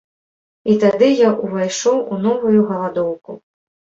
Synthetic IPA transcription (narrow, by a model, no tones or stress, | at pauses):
it̪ad̪ɨjaʔuvajʂɔwun̪ɔvujuɣɐlˠad̪ɔwku